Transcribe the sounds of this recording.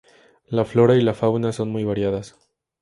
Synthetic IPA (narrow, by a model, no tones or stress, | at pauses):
laflo̞ɾailafawnaso̞nmujβaɾjaðas